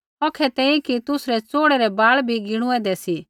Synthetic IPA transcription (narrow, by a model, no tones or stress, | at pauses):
ɔkʰɛt̪ɛ̃ːĩkit̪ʊsɾɛt͡soːɽɛɾɛbaːɭbʱiɡɪɽ̃ũɛːd̪ɛsi